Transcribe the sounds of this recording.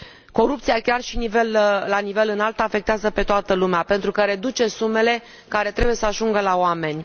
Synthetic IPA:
ko̞ɾup̚t̪sijakʲarʃinive̞lːanive̞lɨnalt̪afe̞kt̪eazəpe̞t̪oat̪əlumeape̞nt̪ɾukəɾe̞d̪ut͡ʃe̞sume̞le̞ | kaɾe̞t̪ɾe̞buje̞səaʒuŋɡəlaoame̞nʲ

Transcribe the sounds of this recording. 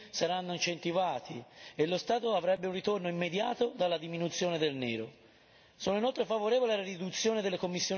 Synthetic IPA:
saɾanːoint͡ʃent̪ivaːt̪ʰielːost̪aːt̪oavɾɛbːeunrit̪ornoimːed̪jaːt̪od̪alːad̪iminut̪sːjoːned̪elnɛ̰ːɾo | soːnoinolt̪ɾefavoɾɛːvolealaɾid̪ut̪sːjoːned̪elːekomːisːjoː

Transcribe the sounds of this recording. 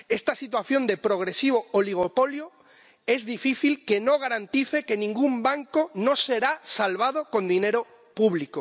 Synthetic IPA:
est̪asit̪̬waθjo̞nd̪e̞pɾoɣ̞ɾesiβ̞ooliɣ̞opoljo | e̞zðifiθilkenoɣ̞aɾant̪iθekenĩŋɡumbaŋkonoseɾasalβ̞að̞oko̞nd̪ineɾo | puβliko

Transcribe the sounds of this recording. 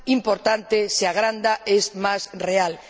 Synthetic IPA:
impoɾt̪ant̪eseaɣ̞ɾand̪aesmasreal

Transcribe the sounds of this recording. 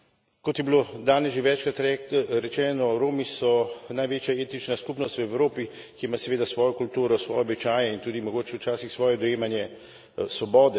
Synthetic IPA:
kɔt̪jɛbilod̪aːnɛsʒeʋɛːt͡ʃkɾat̪ɾɛɾɛt͡ʃɛːnɔɾoːmisɔnajʋeːt͡ʃjaeːt̪it͡ʃnaskupnɔst̪wɛwɾoːpi | kiimasɛʋeːd̪asʋɔːjɔkult̪uːɾɔsʋɔːjɛːbit͡ʃaːjɛint̪uːd̪imɔɡoːt͡ʃɛwt͡ʃaːsixsʋɔːjɛd̪ɔjeːmanjɛ | sʋɔbɔːd̪ɛ

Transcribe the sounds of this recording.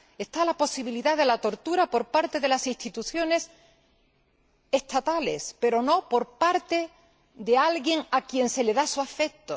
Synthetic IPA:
e̞st̪alapo̞siβ̞iliðaðe̞lat̪o̞ɾt̪uɾapo̞ɾpaɾt̪e̞ðe̞lasist̪it̪uθjo̞ne̞s | e̞st̪at̪ale̞̰spe̞ɾo̞no̞po̞ɾpaɾt̪e̞ | ðe̞alɣje̞ŋakje̞nse̞le̞ðasuafe̞k̚t̪o

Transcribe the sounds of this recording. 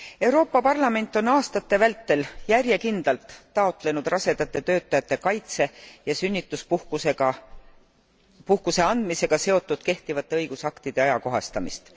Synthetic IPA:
e̞wɾo̞ːpˑːɑpɑrlɑme̞nt̪ːˑo̞nɑːst̪ɑt̪ːe̞vælt̪ːe̞ljærje̞kind̪̥ɑlt̪ːɑo̞t̪le̞nud̪̥rɑse̞d̪̥ɑt̪ːˑe̞t̪øːt̪ːˑɑjɑt̪ːˑe̞kɑjt̪se̞jɑsynʲːit̪ːˑuspuhkuseɡɑ | puhkuse̞ɑnd̪̥mise̞ɡ̥ɑse̞o̞t̪ːˑud̪̥ke̞ht̪ivɑt̪ːˑeɤjɡ̥usɑkt̪id̪̥e̞ɑjɑko̞ɦɑ̰st̪ɑmist̪

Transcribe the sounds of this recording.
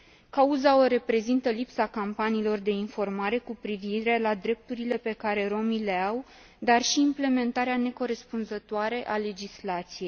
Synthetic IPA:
kauzaoɾe̞pɾe̞zint̪əlipsakampaniːlo̞rd̪e̞info̞rmaɾe̞kupɾiviɾe̞lad̪ɾe̞p̚t̪uɾile̞pe̞kaɾe̞ɾo̞mile̞aw | d̪arʃiːmple̞me̞nt̪aɾeane̞ko̞ɾe̞spunzət̪oaɾe̞ʔale̞d͡ʒislat̪sije̞jj

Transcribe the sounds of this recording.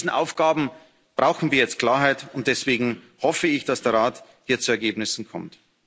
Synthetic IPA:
zn̩ʔa̰ʊfɡ̥aːbm̩ | b̥ʁaʊxn̩viːɐjɛt͡st̚kl̥aːɐɦaɪtʊnt̚d̥ɛsv̥eːɡŋ̩ | hɔfəɪçd̥asd̥eːɐʁaːt | hiːɐt͡suɛɐɡeːbnɪsn̩kʰɔmt

